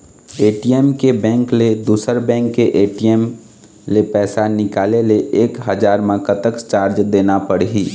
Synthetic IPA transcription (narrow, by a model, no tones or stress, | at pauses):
eːʈijemkebɛ̃ːŋkled̪uːsəɾbɛ̃ːŋkːeʔeːʈiem | lepɛːsanɪkaːleleʔeːkɦəd͡ʒaːɾmãkət̪əkst͡ʃaːɾd͡ʒd̪eːnapəɽɦiː